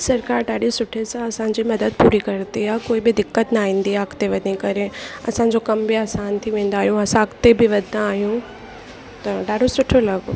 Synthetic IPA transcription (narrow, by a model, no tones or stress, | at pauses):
sɐɾkaːɾɗaːɗisʊʈʰesãɐsãɲ̆d͡ʑimɐd̪əd̪̚puːɾikɐɾt̪iɦaːkoːibɪd̪ɪkːət̪naːɦĩːn̆d̪iaakʰt̪eʋɐd̪ʱnikɐɾeɐ̰sãːɲ̆d͡ʑokɐmbɪaːsaːnt̪ʰiʋẽːn̆d̪aːɦijũɐsãkʰt̪ebɪʋɐd̪ʱnãaːɦijũ | t̪ɐɖaːɖosʊʈʰolɐɡo̰